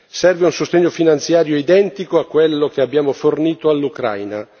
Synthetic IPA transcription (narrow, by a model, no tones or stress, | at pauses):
sɛrveunsost̪eɲːofinant̪sjaːɾjoid̪ɛnt̪ikoakːwelːokeabːjaːmoforniːt̪oalːukɾa̰jna̰